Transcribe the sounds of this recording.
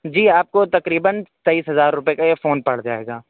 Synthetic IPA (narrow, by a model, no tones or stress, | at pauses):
d͡ʒiːaːp̚kot̪ɐkɾiːbənt̪eiːsɦɐzaːɾːʊpekajefoːnpɐɽ̤d͡ʒa̰ːḛːɡaː